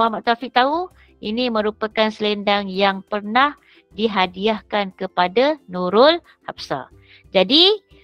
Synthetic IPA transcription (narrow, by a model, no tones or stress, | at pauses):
ahmaʔt̪afɪʔ̚t̪au | inĩmə̃ɾupakansəlɛndaŋjaŋpərnah | diɦadiahkankəpadanuɾʊl | hapsa̰ | d͡ʒadi